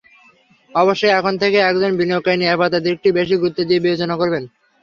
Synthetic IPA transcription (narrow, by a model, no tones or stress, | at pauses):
ɔboʃːojɛkʰont̪ʰekeɛkd͡ʑonbiniokːajniabat̪ad̪eɾk̚ʈibeʃ̬iɡɾut̪ːod̪iebiod͡ʑonakoɾben